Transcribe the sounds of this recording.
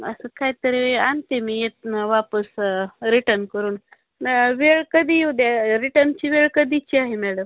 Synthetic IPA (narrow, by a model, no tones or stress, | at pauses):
ə̰səkʰaɦjt̪əɾeant̪emijet̪nʋapəsɾiʈənkəɾuːn | ʋeɭkəd̪iud̪aɾiʈənt͡ɕiːʋeɭkəd̪it͡ɕiaɦemɛɽəm